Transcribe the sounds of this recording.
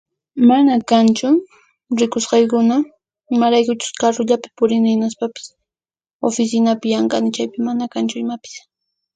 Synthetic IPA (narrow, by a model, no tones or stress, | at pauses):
manakant͡ʃʊ | ɾɪkʊsqɑjkʊna | ɪmaɾajkʊt͡ʃʊ̥skaɾʊʎapɪ̥pʊɾɪnɪnaspapɪ̥s | ofɪsɪnapɪjaɴqɑnɪt͡ʃajpɪmanakant͡ʃʊɪmapɪ̥s